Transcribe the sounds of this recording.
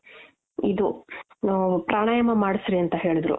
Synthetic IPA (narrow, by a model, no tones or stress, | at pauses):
id̪u | nupɾaːɳɐjɐmɐmaːɽisɾiɐnt̪ɐɦe̞ːɭid̪ɾṵ